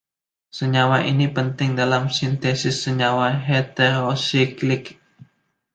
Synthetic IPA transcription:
səɲawaʔinipənt̪ɪŋdalamsint̪esɪsːəɲawaɦet̪eɾosiklɪk

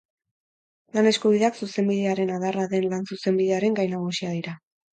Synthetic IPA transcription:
lane̞skuβiðeaksuse̞mbiðeaɾe̞naðaraðe̞nlansuse̞mbiðe̞aɾe̞ŋɡajnaɣ̞usiaðiɾa

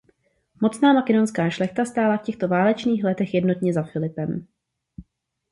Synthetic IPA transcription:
mo̞t͡snaːmakɛdo̞nskaːʃlɛxt̪ast̪aːlafcɛxt̪ovaːlɛt͡ʃniːxlɛt̪ɛxjɛdno̞t̪ɲɛzafɪlɪpɛm

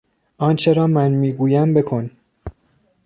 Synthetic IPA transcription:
ʔɒːnt͡ʃʰeɾɒːmænmiːɡuːjæmbe̞kʰo̞n

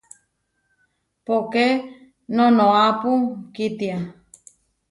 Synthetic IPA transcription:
poke | nõnõapukit̪ia

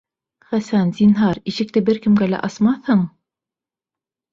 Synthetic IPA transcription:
χæsænzinɦɑɾiʃɘ̆k̚t̪ɘbɘɾkɘ̆mɡælæ̰ʔɑsmɑθhɤɴ

